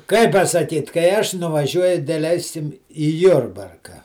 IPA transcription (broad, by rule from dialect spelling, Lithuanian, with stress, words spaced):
ˈkɐɪ pɐsɐˈkʲiːt kɐɪ ˈɐʃ nʊʋɐˈʒʲuɔjʊ dʲɛˈlʲɛɪsʲɪm iː ˈjʊrbɐrkɐ